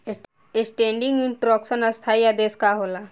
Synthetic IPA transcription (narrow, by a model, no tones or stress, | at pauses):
esʈẽːɳɖĩŋɡiɳʈɾɔksənɐst̪ʰaijad̪eːskaɦoːla